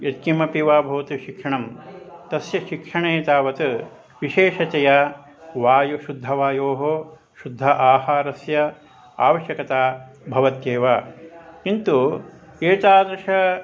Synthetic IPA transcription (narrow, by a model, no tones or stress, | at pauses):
jɐt̪kimɐpiʋaːbʱɐʋɐt̪uʃikʂɐɳɐmt̪ɐsjɐʃikʂɐɳeːt̪aːʋɐt̪u | ʋiʃeːʂɐt͡ʃɐjaː | ʋaːjuʃud̪ʱɐʋaːjoːɦo | ʃud̪ʱːɐʔaːhaːɾɐsjɐ | a̰ːʋɐʃjɐkɐt̪aːbʱɐʋɐt̪jeːʋaːkint̪u | eːt͡ʃaːd̪ɾɐʂɐ